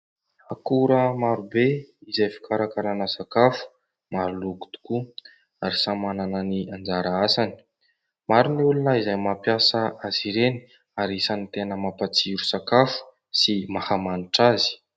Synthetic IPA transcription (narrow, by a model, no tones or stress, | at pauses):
akuɾəmaɾubeizajfi̥kaɾakaɾanəsakafu̥ | maɾuluku̥t̪u̥ku | aɾisamanananiand͡zaɾaasani̥ | maɾuniulunəizajmapjasəaziɾeni̥ | aɾisanit̪enəmapat͡siɾusakafu̥ | simahamaniʈ͡ʂazi̥